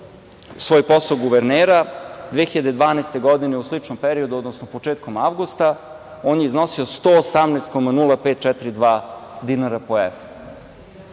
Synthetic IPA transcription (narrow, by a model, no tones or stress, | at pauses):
sʋo̞ːjpo̞salɡuʋeɾneːɾad̪ʋexiʎad̪e̞d̪ʋaːnaest̪eɡo̞d̪ineuslit͡ʃnompeɾiod̪uod̪nosnopo̞t͡ʃeːt̪̚komavɡust̪a | o̞ːnjeizno̞sio̞st̪oːsamneːst̪ko̞manulˠapet̪̚t͡ʃɛt̪ɾid̪ʋaːd̪inaɾapoḛʋ